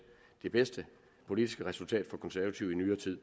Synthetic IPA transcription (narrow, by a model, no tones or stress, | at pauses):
d̥e̝b̥esd̥ə | pʰo̝lid̥isɡ̥əʁɛsult͡sʰɛ̰ːd̥fɒ̽kʰɒ̽nsæɐʋæt͡sʰiʊinyːɐt͡sʰið̰ˠ